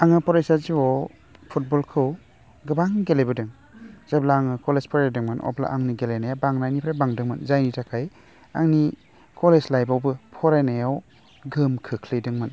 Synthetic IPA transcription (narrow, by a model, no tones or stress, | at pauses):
aŋɯpɔɾajsaziwɔ | pʰut̚bɔlkʰɯw | ɡɯbaŋɡelejbɯdɯŋ | z̥ablaːŋɯkɔlezpʰɔɾajdɯŋmɯnʔɔ̰pla̰ʔaŋniɡelajnajawbaŋnajnipʰɾabaŋdɯŋmɯnzajnitakʰaj | a̰ŋni | kɔlezlajbawbɯpʰɔɾajnajaw | ɡɯmkʰɯkʰlɯjdɯŋmɯn